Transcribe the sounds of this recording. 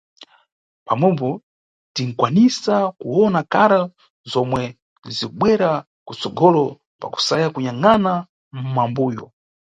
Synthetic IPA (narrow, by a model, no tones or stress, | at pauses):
pamwɛpɔ | tiŋ̩kwanisakuwɔnakaɾa | zɔmwɛ | zikuɓwɛɾa | kut͡sɔɡɔlɔ | pa̰ku̥sajakuɲaŋana | m̩mambuːjɔ